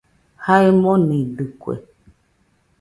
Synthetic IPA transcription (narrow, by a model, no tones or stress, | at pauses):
haimɔneɖɨkwɛ̰